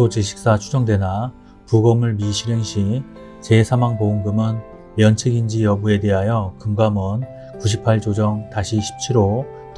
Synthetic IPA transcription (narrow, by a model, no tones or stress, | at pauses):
ot͡ɕiɕʰi̥k̚s͈at͡ɕʰu̥d͡ʑʌŋdwena | puɡʌmɯɭmiɕʰiɾeŋɕʰi | t͡ɕe̞sʰamaŋpouŋɡɯmɯn | mjʌnt͡ɕʰeɡind͡ʑijʌbue̞de̞ɦajʌkɯmɡamʌn | kuɕ̬ʰipʰaɭt͡ɕod͡ʑʌŋtaɕʰiɕʰi̥p̚t͡ɕʰiɾo | t